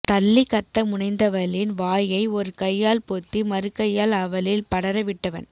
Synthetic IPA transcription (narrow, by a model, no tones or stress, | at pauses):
t̪ɐlːɪkɐt̪ːɐmʊɳɐɪnd̪ɐʋɐlɪnʋaːjɐɪɔɾɯkɐjːaːlpoːt̪ːimɐɾɯkːɐjːaːlɐʋɐlɪlpɐɽɐɾɐʋɪʈːɐʋɐ̰n